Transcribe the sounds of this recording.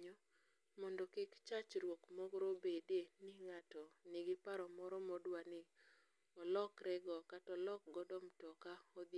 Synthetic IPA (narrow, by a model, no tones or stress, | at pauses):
ɲɔ | mɔndɔkɪkt͡ʃat͡ʃɾwokmɔɡɾobedenɪŋatɔnɪɡɪpaɾɔmɔɾɔmɔdwanɪ | ɔlɔkɾɛɡɔkatɔlɔk̚ɡɔdɔmtɔkaɔd̪